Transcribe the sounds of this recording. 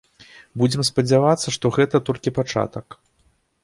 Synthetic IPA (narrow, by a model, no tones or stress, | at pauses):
bud͡zʲɛmspɐd͡zʲavat̪sːɐʂt̪ɔɣɛt̪ɐt̪ɔlʲkʲipat͡ʂa̰t̪ɐk